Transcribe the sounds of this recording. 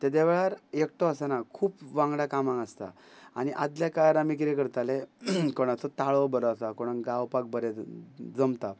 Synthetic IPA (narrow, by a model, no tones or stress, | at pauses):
t̪ed̪eʋeɭaɾekʈɔəsanakʰuːpʋãŋɡɭakamãŋɡəst̪a̰ | a̰ñiʔad̪ljakajɾamik̬ɾekəɾt̪alekɔɽ̃ãt͡sɔt̪aɭɔbəɾɔt͡sakɔɽ̃ãŋɡawpak̚bəɾed͡zəmt̪a